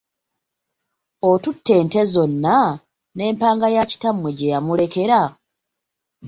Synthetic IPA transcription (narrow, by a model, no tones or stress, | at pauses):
otutːe̞ːnte̞zo̞nːa | ne̞ːmpaːŋɡajaci̥tamweɟe̞jamule̞ke̞ɾa